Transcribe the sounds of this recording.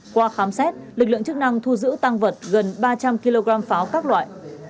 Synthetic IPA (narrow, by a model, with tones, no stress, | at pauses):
kwaː˧xaː˨˦msɛ˦˥t̚lɨ˨˩k̚lɨ̰˧˨ŋt͡ɕɨ˦˥k̚na˧ŋt̪ʰu˧zɨ̰˧˥t̪a˧ŋvə˨˩t̚ɣə˨˩nɓaː˧t͡ɕa˧mki˧lo˧ɣaː˧mfaː˨˦wkaː˦˥k̚lwa̰ː˧˨jʔ